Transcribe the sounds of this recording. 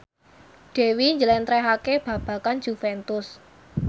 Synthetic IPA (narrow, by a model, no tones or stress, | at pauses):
ɖ̥e̤wiɲd͡ʒəlɛnt̪ɾɛɦakeb̥ä̤b̥ä̤kan̥d͡ʒ̥ufɛnt̪ʊs